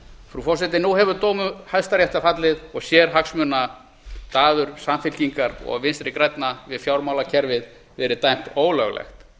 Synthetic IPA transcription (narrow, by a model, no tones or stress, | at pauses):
fɾufɔrsɛt̪ɪnuɦɛvʏt̪owmʏhajðst̪aɾjɛht̪afat̪lɪðɔɣsjɛɾ̥ɦaksmʏna | t̪aːðʏɾ̥samfɪl̥ciŋkaɾɔ̰ɣvɪnst̪ɾɪkɾajt̪navɪðfjawɾmawlacʰɛɾvɪð | vɛːɾɪt̪ajm̥t̪oːwlœɣlɛ̰xt̪